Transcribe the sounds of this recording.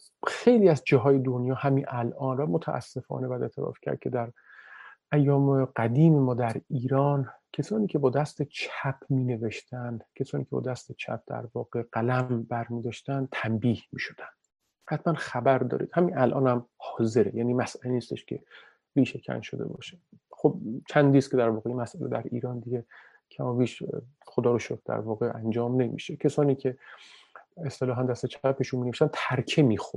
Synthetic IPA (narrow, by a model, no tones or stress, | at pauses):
xe̞jliːæzd͡ʒɒːɦɒːje̞d̪o̞njɒːhæminʔælʔɒːnvæmot̪ʰæʔæ̰sːe̞fɒ̰ːnebæd̪e̞t̪ʰeɾɒ̰fcʰæ̰ɾd̪̚cʰe̞d̪æɾ | ʔæjːɒːmeɡæd̪iːmemɒːd̪æɾiːɾɒːncʰesɒːniːcʰe̞bɒːd̪æst̪et͡ʃʰæpʰmiːne̞veʃt̪ʰænd̪cʲʰesɒːniːcʰe̞bɒ̰ːd̪æst̪et͡ʃʰæ̰p̚d̪̥æ̰ɾvɒːɣ̥e̞ɢ̥ælæmbæɾmiːd̪ɒʃt̪ænd̪̚t̪ʰæmbiːhmiːʃo̥d̪̥ænd̥̪ | hæt̪ʰmænxæbæɾd̪ɒ̰ːɾḭːd̪hæminælʔɒːnhæmhɒːze̞ɾḛjæːniːmæsʔæleniːst̪e̞ʃkʲʰe̞ | viːʃecʰæ̰nʃod̪ḛbɒ̰ːʃe̥ | χob̚t͡ʃʰænd̪iːskʰʲed̪æɾvɒːɣejinmæsʔælḛd̪æɾḭːɾɒːnd̪iɡʲe | kʲʰæmɒːviːʃ | χod̪ɒːɾoʃokʰd̪æ̰ɾvɒːɣeʔænd͡ʒɒːmne̞mḭːʃecʰesɒːniːcʲʰe | est̪elɒːɦænd̪æst̪et͡ʃʰæpeʃunmineiʃt̪ænt̪ʰæɾkʰe̞miːxo̥